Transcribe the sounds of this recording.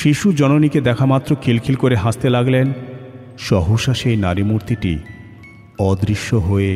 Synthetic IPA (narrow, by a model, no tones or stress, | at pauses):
ʃiʃud͡ʑɔnoniked̪ɛkʰamat̪ːɾokʰilkʰilkoɾeɦãst̪elaɡlen | ʃɔɦuʃaʃejnaɾimuɾt̪iʈḭ | ɔd̪ɾiʃːoɦoe